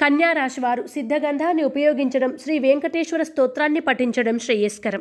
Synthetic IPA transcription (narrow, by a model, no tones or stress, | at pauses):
kɐnjaːɾaːʃɐʋaːɾusid̪ʱːɐɡɐnd̪ʱaːnːiupɐjoːɡiɲt͡ʃɐɽɐmʃɾiːʋeːŋkɐʈeːʃʋɐɾɐst̪oːt̪ɾaːnːipɐʈːiɲt͡ʃɐɽɐmʃɾiːjeːskɐɾɐm